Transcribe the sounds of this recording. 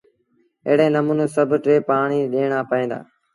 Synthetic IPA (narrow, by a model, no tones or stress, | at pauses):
ḛːɽẽːnəmũːneːsəbʱʈɾeːpaːɳiːɗeːɳ̃aːpəẽːd̪a̰ː